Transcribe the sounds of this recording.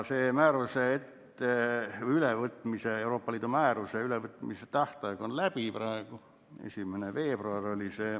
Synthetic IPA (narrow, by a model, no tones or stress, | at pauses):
seːmæːɾuseet̪ːeyleʋət̪miseewro̞ːpːɑlʲiːd̪umæːɾuseyleʋət̪ːˑmiset̪ɑht̪ɑjeɡ̥onlæb̥iprɑeɡ̥u | ḛsʲimeneʋeːb̥ruɑrolʲise